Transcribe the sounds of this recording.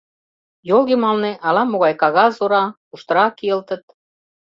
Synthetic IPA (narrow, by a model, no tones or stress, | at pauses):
jolɣemɑlnĕʔɑlɑmoɣɑjkɑɣɑzoɾɑkuʃt̪ə̆ɾɑkiə̆lt̪ə̆t̪̚